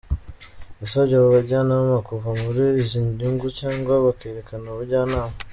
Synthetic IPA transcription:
βisoɟaβaβaɾɟaːnammakuvamuɾizindiŋɡucaːŋɡwaβakeɾekanaβaɾɟaːnaːma

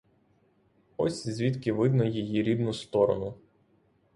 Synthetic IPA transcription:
ɔsʲzʲʋʲit̪kɪʋɪd̪nɔjijiɾʲid̪nʊst̪ɔɾɔ̰nʊ

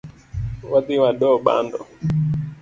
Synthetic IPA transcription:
watiwaɗɔɓa̰ndɔ̰

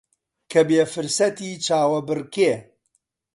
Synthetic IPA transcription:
kʰɐbeːfɨɾsɐt̪iːt͡ʃaːwɐbɨrkeː

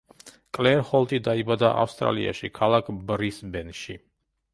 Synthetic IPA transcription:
kʼlɛɾhɔlˠt̪ʼid̪aibad̪aʔa̰fst̪ʼɾa̰lia̰ʃikʰalˠakʰbɾisbɛnʃi

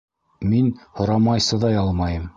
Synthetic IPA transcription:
minhŏɾɑmɑjsɤ̆ðɑjɑlˠmɑjɤm

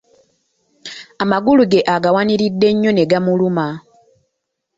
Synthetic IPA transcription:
amaɡuluɡe̞ʔaɡawaniɾidːe̞ɲːo̞ne̞ɡamuluma

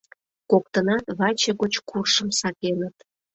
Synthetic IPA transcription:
kok̚t̪ənɑt̪βɑt͡ɕeɣot͡ɕkurʃə̆msɑkenət̪

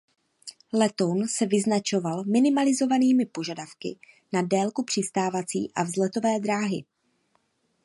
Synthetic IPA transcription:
lɛt̪o̞nsɛvɪznat͡ʃo̞valmɪnɪmalɪzo̞vaniːmɪpo̞ʒadafkɪ̰ | nadɛːlkupr̥ɪst̪aːvat͡sḭːʔavzlɛt̪o̞vɛːd̪ɾaːɦɪ̰

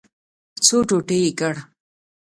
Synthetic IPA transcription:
t͡soʈoʈeikəɽ

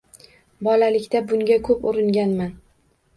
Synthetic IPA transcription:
bɒlalɪkʲt̪abʊŋɡʲakʰɵpʊɾɪŋɡʲanman

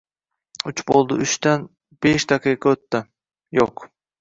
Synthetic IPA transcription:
ʊt͡ʃbolˠd̪ɪʊʃt̪an | b̥eʃd̪ɑqʰɨjqʰɑɵt̪ːɪ | joq

